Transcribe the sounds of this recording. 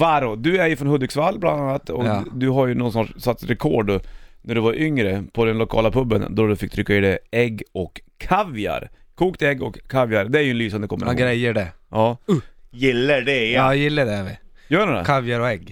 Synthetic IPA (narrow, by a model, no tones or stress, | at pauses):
vaɾɔd̪ɵæɾjʉfɾɔnhɵd̪ːɪksvalːbland̪anːat̪ːɔkːd̪ɵɦaɾjʉnɔnsnɑːʂsat̪sɾɛkʰɔːɖnæɖɵvaɾʔʏŋɾəpʰɔd̪ɛnlʊkʰɑ̰ːlapʰɵbːənd̪ɔd̪ɵfɪk̚ːt̪ʰɾʏkːaɪd̪ɛɛɡːɔkʰːavja̰ɾ | kʰuːkt̪ɛɡːɔ̰kʰːavjaɾd̪ɛæɾjɵɛnlyːsand̪əkɔmːəɾɡɾɛjːəɖɛɑːjɪlːəɖɛɑjɪlːəɖɛvɪ̰ | jœːɳɛd̪ɛ̰avjaɾɔɛɡ